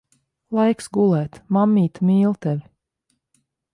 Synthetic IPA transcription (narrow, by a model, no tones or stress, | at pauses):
lˠajksɡulˠɛːt̪mamːiːt̪miːlˠt̪ɛvʲ